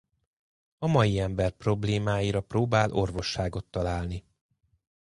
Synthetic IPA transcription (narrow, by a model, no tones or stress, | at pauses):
ɒmɒjiɛmbɛrpro̞bleːmaːjiɾɒproːbaːlʔo̞rvo̞ʃːaːɡo̞t̪ːɒlaːlni